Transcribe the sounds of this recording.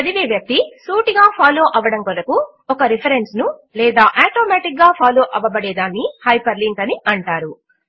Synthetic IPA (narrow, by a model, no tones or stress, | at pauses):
ɐd̪iʋeːʋjɐk̚t̪isuːʈiɡaːpʰaːlo̞ːʔɐʋɐɽɐmkolɐku | ɔkɐɾipʰɐɾensnulɛːd̪aːʔaːʈoːmaːʈik̚ɡaːpʰaːlo̞ːʔɐʋɐbɐɽɛːd̪aːnːihɐjpɐɾliŋkɐniʔɐɳʈaːɾu